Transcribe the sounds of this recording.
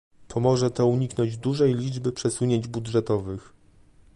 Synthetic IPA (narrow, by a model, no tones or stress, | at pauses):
pʰɔmɔʐɛt̪ɔuɲiknɔɲd͡ʑd̪uʐɛjlʲid͡ʐbɘpʂɛsuɲeɲd͡ʑbudʐɛt̪ɔvɘx